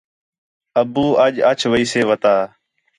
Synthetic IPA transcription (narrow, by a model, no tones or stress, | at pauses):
əbuːʔəʄət͡ʃʰʋəiːseːʋət̪aː